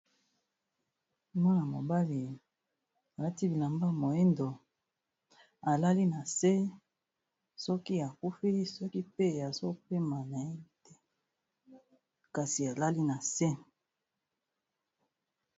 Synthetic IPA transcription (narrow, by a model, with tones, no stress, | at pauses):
mwa˦na˨mo˨ba˦li˨ | a˨la˦ti˦bi˨la˨mba˦mo˨e˦ndo˨ | a˨la˦li˦na˨se˦ | sɔ˦ki˦a˨ku˦fi˦sɔ˦ki˦pe˦˨a˨zo˦pe˦ma˨na˨e˦tɛ˦ | ka˨si˨a˨la˦li˦na˨se˦